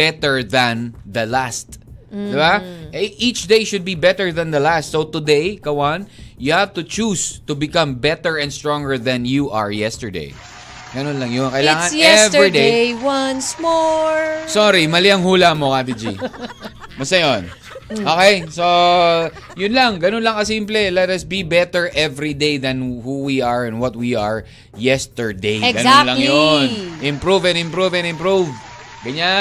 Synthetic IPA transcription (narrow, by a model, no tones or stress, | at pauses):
bɛt̪ɛɹðɐ̃nðɐlast̪d̪ɪbaʔɛʔit͡ʃd̪ejʃʊd̪̚bibɛt̪əɹðɐ̃nd̪ɐlast̪sot̪ʊd̪ejkɐwanjʊhavt̪ʊt͡ʃust̪ʊbɪkɐ̃mbɛt̪ɛɹɛ̃nd̪st̪ɹɔ̃ŋɡəɹðɐ̃njuʔɐ̰ɹjɛst̪ə˞d̪ḛj | ɡ̥ɐnonlɐŋjonkɐjlaːŋɐnjɛvɹid̪ejwɐnsmoɹsoɾimɐlɪɐŋhuːlɐmokabid͡ʒi | mɐsɐjon | ʔoːkɛjso | jʊnlɐŋɡɐnonlɐŋkɐsimplɛlɛt̪ɐsbibɛt̪ɛɹʔɛvɹid̪ejðɐnhuwiɐɹɛ̃nd̪wɔt̪̚wiɐɹ | jɛst̪ɛɹd̪ejɛɡɐnalɐŋjonʔɪ̃mpɾuvɛ̃nɪ̃mpɾuvɛ̃nɪ̃mpɹuv | ɡɐɲa